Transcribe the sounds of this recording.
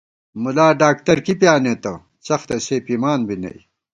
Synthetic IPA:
mulaːɖaːk̚t̪ɐɾkipjaːnet̪ɐ | sɐxt̪ɐseːpimaːnbinɐ̰j

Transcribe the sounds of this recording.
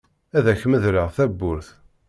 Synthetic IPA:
æðæçməðɾəʁθæbːʊɾθ

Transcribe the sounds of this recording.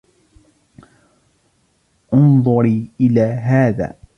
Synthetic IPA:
ʔʊnðˤʊɾiːʔɪlaːɦaːða̰ː

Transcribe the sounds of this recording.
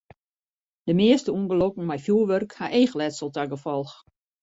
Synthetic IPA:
d̥əmɪəstəuənɡəlokŋ̩mɛjfjuːʋørkhaʔeːxlɛtsəlˠtaɡəfɔlˠx

